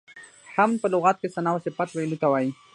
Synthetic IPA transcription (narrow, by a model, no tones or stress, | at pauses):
hamnpəlʊɣɑt̪̚kesanɑwasepat̪welut̪awɑji